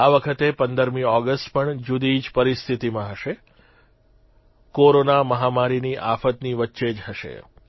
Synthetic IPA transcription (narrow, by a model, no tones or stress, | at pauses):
aʋəkʰət̪epənd̪əɾmiɔɡəsʈpəɳd͡ʒud̪id͡ʒpəɾist̪ʰit̪imãɦəʃe | koɾonaməɦamaɾiniʔa̰fət̪niʋətːʃed͡ʒɦəʃḛ